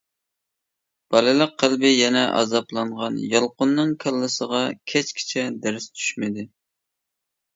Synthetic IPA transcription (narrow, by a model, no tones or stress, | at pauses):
b̥ɑlɨlˠəq̚ʰːælˠbɪjɛnɛʔɑ̰zɑplˠɑɴʁɑnjɑlˠqʊnːɨŋkʲʰælˠːɨsəʁɑkʲʰɛt͡ʃkʲʰi̥t͡ʃʰɛd̪æɾɪst̪ʰy̥ʃmɪd̪ɪ